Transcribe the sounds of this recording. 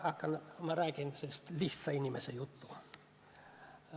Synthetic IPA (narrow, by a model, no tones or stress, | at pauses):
ɑkːɑnmɑrækent̪ysest̪liht̪sɑinimesejut̪ːu